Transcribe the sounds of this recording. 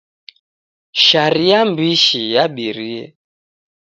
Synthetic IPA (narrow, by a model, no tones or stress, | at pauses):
ʃaɾiambiʃijaɓiɾiɛ